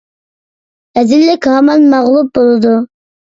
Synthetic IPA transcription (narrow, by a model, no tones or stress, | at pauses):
ɛzɪlːɪkʲɦɑmɑnmɑʁlˠup̚bolˠɨd̪u